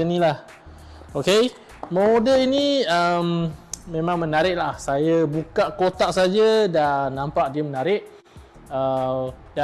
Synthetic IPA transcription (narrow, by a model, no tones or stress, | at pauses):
ənĩlah | oke | modəliniəmmẽmãŋmənaɾɪʔlahsajabukaʔkot̪aʔsad͡ʒadanːampaʔdiəmənaɾɪʔ̚ | ə | da